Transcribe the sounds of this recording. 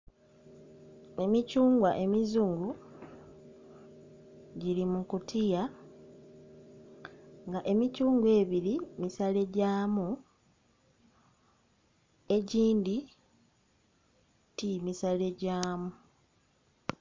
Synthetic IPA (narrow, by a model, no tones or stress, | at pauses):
e̞micuːŋɡwaʔe̞mizuːŋɡu | ɟilimukutʰija | ŋɡaʔe̞micuːŋɡwe̞ːβiɾimisale̞ɟaːmu | e̞ɟiːndi | timisale̞ɟaːmu